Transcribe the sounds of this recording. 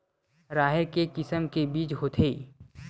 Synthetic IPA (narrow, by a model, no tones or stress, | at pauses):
ɾaːɦɪɾkekɪsəmkebiːt͡ʃɦoːt̪ʰeː